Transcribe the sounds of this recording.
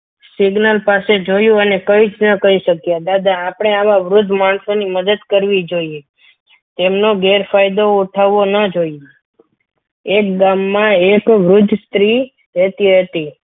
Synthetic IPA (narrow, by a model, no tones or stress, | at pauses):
siɡnəlpased͡ʒojũənekəit͡ʃnəkəɾiʃəkjad̪ad̪aːpɽ̃eaʋaʋɾʊd̪ʱːmaɳsoniməd̪əd̪kəɾʋid͡ʒoie | t̪emnoɡeɾfajd̪oːʈʰaʋonəd͡ʒoie | ek̚ɡamːãekʋɾʊd͡ʒ̪ʱst̪ɾi | ɦet̪iɦət̪i